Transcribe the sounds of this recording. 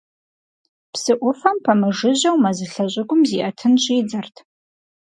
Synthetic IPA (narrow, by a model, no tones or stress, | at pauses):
psɨʔʷʊfɐmpʰɐmɨʐɨʑɐwmɐzɨɬɐɕʷʼɪɡʷʊmziʔɐtʰɨnɕʼiːd͡zɐrtʰ